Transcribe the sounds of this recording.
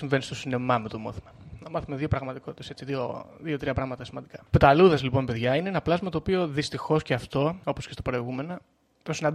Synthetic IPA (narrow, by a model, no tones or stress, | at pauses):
siɱve̞nist̪osine̞mɐmet̪omo̰θimenɐmɐθume̞ðio̞pɾɐɣmɐt̪iko̞t̪i̥t̪ese̞t͡siðioðio̞t̪ɾiɐpɾɐɣmɐt̪ɐsimɐnd̪ikɐ̥pet̪ɐluðɐzlipo̞npe̞ðʝɐineenɐplɐzmɐt̪o̞ːpio̞ðist̪ixo̞sce̞ɐft̪o̞o̞po̞scest̪ɐpɾo̞iɣume̞no | t̪o̞sinɐnd̪